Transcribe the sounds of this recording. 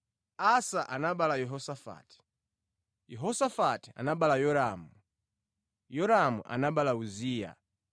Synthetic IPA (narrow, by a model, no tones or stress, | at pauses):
asaʔanaɓalajɛɦɔsafa̰ti̥ | jɛɦɔsafati̥a̰naɓalajɔɾaːmu | jɔɾamṵʔa̰naɓalauziːja̰